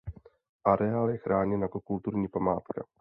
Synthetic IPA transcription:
ʔaɾɛaːljɛxɾʔaːɲɛnjakokult̪uɾɲiːpamaːt̪ka̰

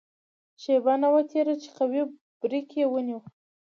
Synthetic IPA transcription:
ʃebanawat̪ʰeɾat͡ʃe̥qawi | b̥ɾikewəniw

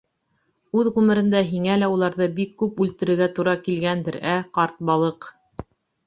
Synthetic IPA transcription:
ʉðʁʉmɘ̆ɾɘ̆nd̪æɦiŋælæulˠɑɾðɤbikːʉpʉlt̪ɘ̆ɾɘ̆ɾɡæt̪uɾɑkilɡænd̪ɘɾæqɑɾt̪̚bɑlˠɤq

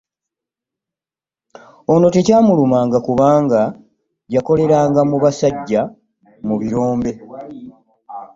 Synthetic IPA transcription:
ono̞tecaːmulumaːŋɡakuβaːŋɡa | ɟako̞le̞ɾaːŋɡamuβasaɟːa | muβiɾoːmbe̞

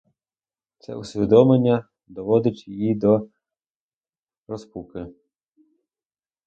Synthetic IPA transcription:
t̪sɛ̰ʊsʲʋʲid̪ɔmenʲːɐ | d̪ɔʋɔd̪ɪt͡ʃʲjijid̪ɔ | ɾɔspukɪ

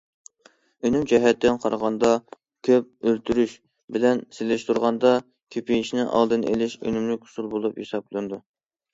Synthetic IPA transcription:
ønymd͡ʒɛɦɛt̪ʰːɪnqʰɑɾʁɑnd̪ɑ | kʲʰøp̚ølt̪ʰyɾyʃ | bɪlɛnsɪlɪʃt̪ʰuɾʁɑnd̪ɑ | kʲʰepʰijiʃnɪʔɑ̰lˠd̪ɨnḛlɪʃø̰nymlykʲhʊ̥sulˠbolˠuphesɑblˠɨnɨd̪u

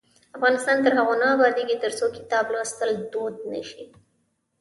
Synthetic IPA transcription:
afɣɑnɪst̪ɑnt̪əɾɦaɣonɑwaɾd̪eɡit̪əɾsokɪ̥t̪ɑblost̪əld̪od̪̚nə̰ʃi

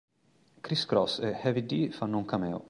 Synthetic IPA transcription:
kɾiskɾɔsɛhɛvid̪ifanːɔŋkʰamɛːo̰

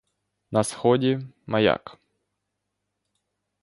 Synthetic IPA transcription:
nɐsxɔdʲimɐja̰k

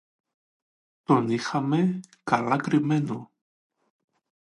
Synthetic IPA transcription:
t̪onixamekalakɾimeno

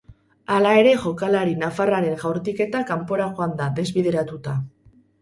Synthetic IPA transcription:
alae̞ɾe̞ʝo̞kalaɾinafaraɾe̞ŋʝawɾt̪ike̞t̪akampo̞ɾaʝoand̪aðe̞zβið̞e̞ɾat̪ut̪a

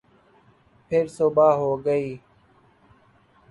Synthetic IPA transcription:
pʰɪɾsoːbaːɦoːɡəiː

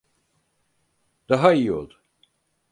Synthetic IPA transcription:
d̪̥aɦaijio̞̰lˠd̪u

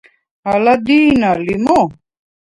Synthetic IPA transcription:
alad̪iːnalimo

